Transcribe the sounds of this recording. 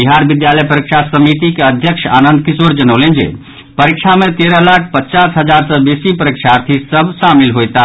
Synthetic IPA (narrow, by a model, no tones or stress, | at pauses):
biɦaɾbid̪jaləjpəɾikʃʰasəmit̪ikeəd̪ʱjəkʃa̰nənd̪̚kisoɾd͡ʒənəʊlend͡ʒḛ | pəɾikʃʰamet̪eɾəlakʰpətːt͡ʃasɦəd͡ʒaɾsəbesipəɾikʃʰaɾt̪ʰisəbʱʃamilɦojt̪a